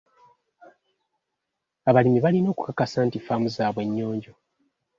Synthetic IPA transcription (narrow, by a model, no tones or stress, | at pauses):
aβalimiβalino̞ːku̥kakasaːntifamuzaːβwe̞ɲːo̞ːɲɟo̞